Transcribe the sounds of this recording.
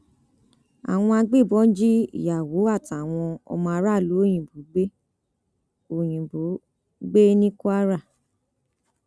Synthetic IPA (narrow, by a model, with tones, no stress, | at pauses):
a̰˨w̃ɔ̃˧a˧ɡ͡be˦˨bɔ˨˦d͡ʒi˦ḭ˦˨ja˨wo˨˦a˦˨ta˨w̃ɔ̃˧ɔ̰˧mɔ̃˧a˧ɾa˦˨lu˨˦o˦˨j̃ĩ˨bu˨˦ɡ͡be˦ | o˨j̃ĩ˨bo˨˦ | ɡ͡be˦nĩ˦ku˦a˦ɾa˦˨